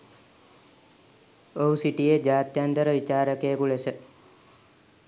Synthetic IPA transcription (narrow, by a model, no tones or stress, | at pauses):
oɦusiʈijed͡ʒaːt̪jant̪əɾəʋit͡ʃaːɾəkeːkuɭesə